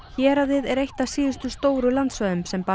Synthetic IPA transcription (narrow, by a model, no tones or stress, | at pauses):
çɛːɾaðɪðɛɾejht̪asiːðʏst̪ʏst̪oːwɾʏlant̪svœðʏmsɛmpa